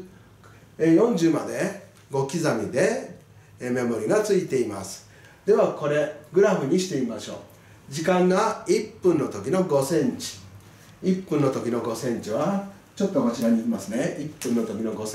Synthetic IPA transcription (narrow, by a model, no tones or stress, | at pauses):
ejõ̞ɲ̟d͡ʑɨːma̰d̪e̞ | ɡo̞kʲizamʲid̪e̞ | me̞mo̞ɾʲiɡat͡sɨit̪e̞ima̰sɨ̥ | d̪e̞βako̞ɾe̞ɡɯ̟ɾaɸɯ̟ɲ̟iɕi̥t̪e̞imaɕo̞̰ː | d͡ʑikãŋɡaipːɯ̟̃nːo̞t̪o̞kʲino̞ɡo̞sẽ̞ɲt͡ɕi̥ | ipːɯ̟̃nːo̞t̪o̞kʲino̞ɡo̞sẽ̞ɲ̟t͡ɕiβa | t͡ɕo̞t̪ːokot͡ɕiɾaɲ̟iimasɨne̞ipːɯ̟̃nːo̞t̪o̞kʲino̞ɡo̞s